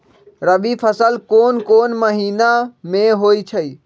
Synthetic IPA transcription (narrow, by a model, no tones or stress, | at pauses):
ɾəbipʰəsəlkoːnkoːnməɦiːnamẽɦoːit͡ʃʰəi